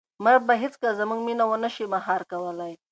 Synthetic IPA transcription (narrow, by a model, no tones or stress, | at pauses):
maɾbaɦɪt͡skazəmuŋɡminawənəʃemaɦɑɾkawəlaj